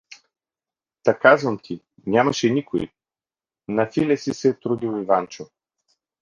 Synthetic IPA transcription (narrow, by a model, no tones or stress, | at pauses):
t̪ɐkazvɐmt̪ʰi | nʲamɐʃɛnʲikoḭ | nɐfilʲɛsisɛt̪ɾud̪ilˠivant͡ʃo